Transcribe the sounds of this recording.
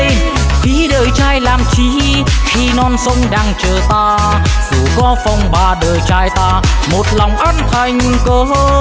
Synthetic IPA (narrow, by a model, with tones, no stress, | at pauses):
vi˨˦ɗəː˨˩jt͡ɕaː˧jlaː˨˩mt͡ɕi˧˦˧xi˧nɔ˧nsə˧wŋ͡mɗaː˧ŋt͡ɕəː˨˩t̪aː˧ | kṵ˧˩ɣɔ˧fɔ˧˩wŋ͡mɓaː˨˩ɗəː˨˩jt͡ɕaː˧jt̪aː˧mo˨˩t̚lɔ˨˩wŋ͡mʔə˧˥nt̪ʰa˨˩jŋ̟kəː˨˦h